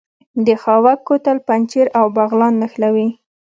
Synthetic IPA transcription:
d̪əxɑwakːot̪alpant͡ʃeɾawbaɣlɑnːaxlawi

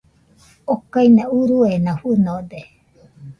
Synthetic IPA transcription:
okainauɾuenãfunod̪e

